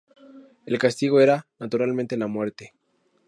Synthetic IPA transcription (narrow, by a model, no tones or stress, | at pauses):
e̞lkast̪iɣo̞e̞ɾanat̪uɾalmẽnt̪e̞lamwe̞ɾt̪e̞